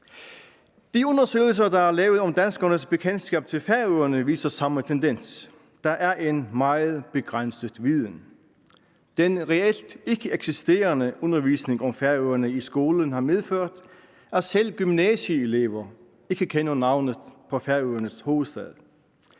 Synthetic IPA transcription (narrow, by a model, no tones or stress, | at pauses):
d̥iɔ̽nɐsø̰ːɪl̩s̬ɐd̥ɑ̈æɐlɛːʊð̩ˠɒ̽md̥ænsɡ̥ɐnəsb̥e̝kʰen̥sɡ̥ɛ̰ːb̥̚t͡sʰe̝lfæɐøɐnəʋḭːsɐsɑ̈mət͡sʰend̥en̰s | d̥ɑ̈ʔæɐʔe̝nmɑ̈ɪð̩ˠb̥e̝ɡ̥ʁan̰səð̩ˠʋiðˠən̩ | d̥enʁɛel̰d̥e̝ɡ̥əeɡ̥sisd̥e̝̰ːɐnəʔɔnɐʋiːsne̝ŋɒ̽mfæɐøɐnəisɡ̥o̝ːlən̩hɑ̈meðˠføɐ̰d̥ | æɐsel̰ɡ̥ymnɛsiele̝̰ːʋɐ | e̝ɡ̥əkʰenɐnɑ̈ʊ̰nəð̩ˠpʰɒ̽fæɐøːɐnəsho̝ːð̩ˠsd̥ɛðˠ